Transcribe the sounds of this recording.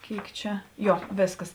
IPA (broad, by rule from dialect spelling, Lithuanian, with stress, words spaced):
ˈkʲeːɪk ˈt͡ʃʲɛ ˈjoː ˈʋʲeːsˌkɐs